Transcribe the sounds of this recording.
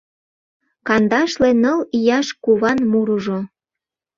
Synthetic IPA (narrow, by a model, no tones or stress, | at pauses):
kɑnd̪ɑʃlenəlijɑʃkuβɑnmuɾuʒo